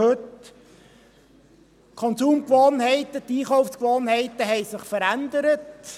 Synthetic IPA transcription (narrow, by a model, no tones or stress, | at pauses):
ɵt | kʰɔnsuːmkʋoːnɦɛɪtət̪iːχɔwfskʋoːnɦɛɪtəɦɛɪsɪχfəɾænd̪əɾət